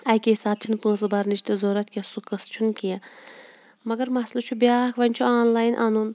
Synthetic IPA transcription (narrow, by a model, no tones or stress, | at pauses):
ɐjkeːsaːt̪̚t͡ʃʰinpə̃ːs̬ɨbɐɾnit͡ʃʰt̪ɨzoːɾɐt̪̚kiɐsukɐst͡ʃʰunkija | mɐɡɐɾmɐslɐt͡ʃʰubʲaːkʰʋɐnʲt͡ʃʰuaːnlaːjnʔa̰nun